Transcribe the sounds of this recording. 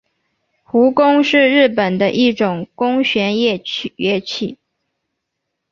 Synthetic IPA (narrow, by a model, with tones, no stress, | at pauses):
xu˧˥kʊ˥ŋʂɻ̩˥˧ɻɻ̩˥˩pə˨˩nd̪ə˦ʔi˥˩ʈ͡ʂʊ˨˩ŋkʊ˥ŋɕɥɛ˧˥njɛ˥˧ɥɛ˥˧t͡ɕʰi˥˩